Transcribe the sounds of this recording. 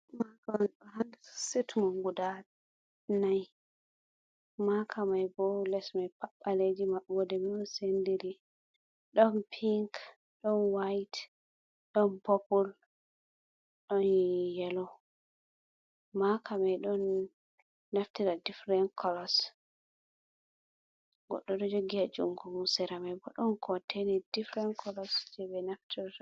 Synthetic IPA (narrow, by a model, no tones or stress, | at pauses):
makanɗɔhansetmɔŋɡuda | naj | makʰamajbɔlɛsmajpaɓːaled͡ʒimaɓɔdɛmiɗɔnsendiɾi | ɗɔnpʰiŋk | ɗɔnwajt | ɗɔnpopul | ɗɔnjijɛlɔ | makʰamɛɗɔnː | naftiɾadifɾɛnkʰɔlɔs | ɡɔ̰ɗːɔɗɔd͡ʒoɡiad͡ʒṵmɡumusɛɾamɛbɔɗɔnkʰɔtʰenid̥ifɾɛnkʰɔlɔsd͡ʒɛbɛnaftʰiɾ